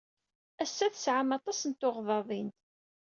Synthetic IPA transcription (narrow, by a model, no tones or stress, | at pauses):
æsːæθsʕamɑt̪ˤɑsənt̪ːʊʁðˤɑðˤint̪